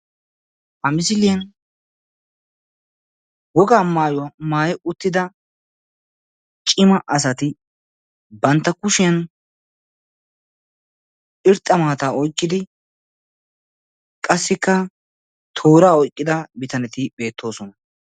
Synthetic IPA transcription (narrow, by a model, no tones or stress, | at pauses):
hɐmɪsɪlɪjɐn | wɔɡaːmaːjʊwɐmaːjɛʔʊt̪ːɪd̪ɐ | t͡ʃʼɪmɐʔɐs̬ɐt̪ɪ | bɐnt̪ːɐkʊʃɪjɐn | ɪɾt̪ʼːɐmaːt̪aːɔjkːɪd̪ɪ | kʼɐsːɪkːɐ | t̪ʰoːɾaːɔjkʼːɪd̪ɐbɪt̪ɐnɛt̪ɪbe̞ːt̪ʰːo̞ːsɔnɐ